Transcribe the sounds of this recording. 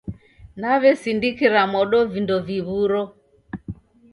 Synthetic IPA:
naβɛsindikiɾamɔɗɔvindɔviβuɾɔ

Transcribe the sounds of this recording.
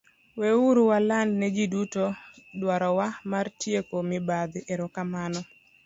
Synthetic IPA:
wɛuɾuwalandnɛd͡ʒidutodwaɾɔwamartjekomɪbad̪ʔeɾɔkamanɔ

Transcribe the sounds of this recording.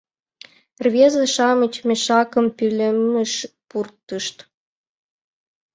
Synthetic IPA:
rβezɑʃɑmət͡ɕmʲĕʃɑkə̆mpylə̆mːə̆ʃpurt̪ːəʃt̪

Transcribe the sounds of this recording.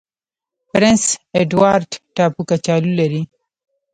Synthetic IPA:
pɾɪnseɖwaɾɖʈapukat͡ʃaːlulaɾi

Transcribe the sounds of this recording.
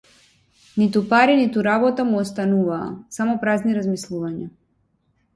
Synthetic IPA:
nit̪upaɾinit̪uɾabɔt̪amuɔst̪anuva̰ːsamɔpɾazniɾazmislˠuvaɲa

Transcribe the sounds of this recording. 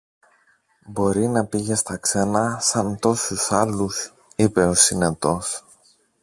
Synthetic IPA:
bo̞ɾinɐpiʝest̪ɐkse̞nɐsɐnt̪o̞susɐlus | ipe̞osinet̪o̞s

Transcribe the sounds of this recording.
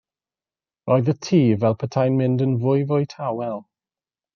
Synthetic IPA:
rɔɨðətʰiːvɛlˠpʰətʰajnmɪ̃ndənvʊjvʊjtʰawɛlˠ

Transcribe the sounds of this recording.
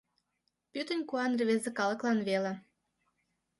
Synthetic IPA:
pyt̪ə̆nʲkuɑnreβezĕkɑlə̆klˠɑnβelĕ

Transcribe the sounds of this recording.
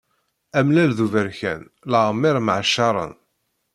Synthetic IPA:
æmlælðuvəɾçæ̰n | ləʁəmːɪɾməʕʃːɑɾˤə̰n

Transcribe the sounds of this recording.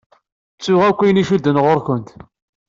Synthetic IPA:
t͡sːʊʁækʷːijniʃud̪ːənʁoɾkʷənt̪

